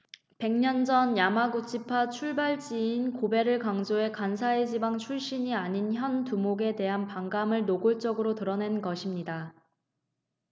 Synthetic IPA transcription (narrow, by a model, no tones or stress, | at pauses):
pe̞ŋɲʌnd͡ʑʌnjamaɡut͡ɕʰipʰat͡ɕʰuɭbaɭt͡ɕ͈iːnkobe̞ɾɯɭkaŋd͡ʑoe̞kansʰaed͡ʑibaŋt͡ɕʰuɭɕ͈iɲiaɲinçjʌntumoɡe̞te̞ɦanpaŋɡamɯɭnoɡoɭt͡ɕ͈ʌɡɯɾotɯɾʌnenɡʌɕʰimɲida